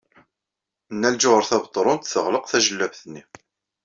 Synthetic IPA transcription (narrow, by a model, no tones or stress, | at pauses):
nːæld͡ʒʊʁəɾθæbət̪ˤːɾˤʊnt̪θəʁləqθæʒəlːævθənːi